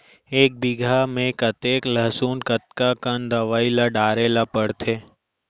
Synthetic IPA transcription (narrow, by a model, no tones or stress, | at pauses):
eːk̚bɪɡʱamẽkət̪eːkləɦsuːnkət̪̚kakənd̪ɐʋaːilaɖaːɾeːlapəɽt̪ʰeː